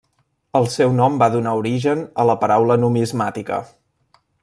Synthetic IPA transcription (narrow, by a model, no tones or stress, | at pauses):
əlˠsɛwnɔmbaðunauɾiʒənələpəɾawlənumizmat̪ikə̰